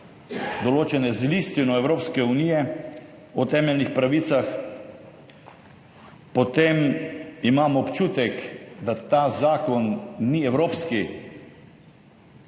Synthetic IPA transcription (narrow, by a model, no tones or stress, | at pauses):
d̪ɔloːt͡ʃɛnɛzlist̪inɔɛwɾoːpskɛunijɛ | ɔt̪ɛːmɛlnixpɾaʋiːt̪sax | pɔt̪emimaːmɔːpt͡ʃuːt̪ɛkd̪at̪azaːkɔnːiɛwɾoːpski